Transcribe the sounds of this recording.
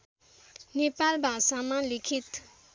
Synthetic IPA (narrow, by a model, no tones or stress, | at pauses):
nepalbʱasamalikʰit̪